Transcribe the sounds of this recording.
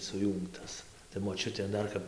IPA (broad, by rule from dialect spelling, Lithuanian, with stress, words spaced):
sʊˈjuːŋktɐs tɐɪ moːˈt͡ʃʲʊtʲeː ˈdɐr kɐp